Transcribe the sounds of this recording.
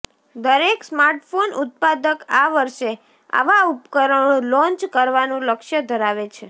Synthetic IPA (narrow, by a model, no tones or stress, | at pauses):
d̪əɾeksmaɾʈfonʊt̪̚pad̪əkaʋəɾʃe | a̰ʋaupkəɾəolɔ̃ɲt͡ʃkəɾʋanũləkʃjəd̪ʱəɾaʋet͡ʃʰe